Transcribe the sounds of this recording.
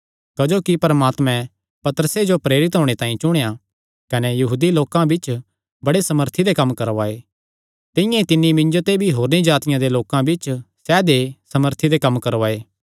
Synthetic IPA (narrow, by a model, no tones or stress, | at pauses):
kɐd͡ʒoːkipɐɾəmaːt̪mɛ̃ | pɐt̪əɾəsed͡ʒopɾeːɾɪt̪̬ɦoːɽ̃et̪ãːĩt͡ʃʊɽ̃eja | kɐnejɐɦuːd̪iloːkãbɪt͡ʃ | bɐɽesɐməɾt̪ʰid̪ekɐmːkɐɾoaːeː | t̪ɪ̃jãit̪ɪnːimɪ̃ɲd͡ʒot̪ebʱiɦoːɾnĩd͡ʒaːt̪ɪjãd̪eloːkãbɪt͡ʃsɛːd̪esɐməɾt̪ʰid̪ekɐmːkɐɾoaːeː